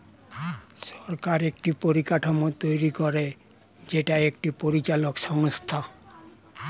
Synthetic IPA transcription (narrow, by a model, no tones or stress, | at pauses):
ʃɔɾkaɾek̚ʈipoɾikaʈʰomot̪ojɾikɔɾe | d͡ʑeʈaekʈipoɾit͡ɕalokʃɔŋst̪ʰa